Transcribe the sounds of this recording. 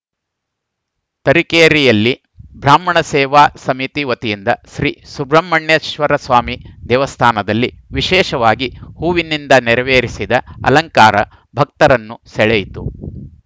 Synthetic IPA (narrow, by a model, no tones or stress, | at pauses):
t̪ɐɾikeːɾijɐlːi | bʱɾaːmɐɳɐsɛːʋaːsɐmit̪iʋɐt̪ijind̪ɐʃɾiːsubɾɐmːɐɳjɐʃʋɐɾɐsʋaːmid̪ɛːʋɐst̪ʰaːnɐd̪ɐlːiʋiʃɛːʃɐʋaːɡihuːʋinːind̪ɐnɛɾɐʋeːɾisid̪ɐɐ̰lɐŋkaːɾɐ̰ | bʱɐk̚t̪ɐɾɐnːusɛɭɛjit̪u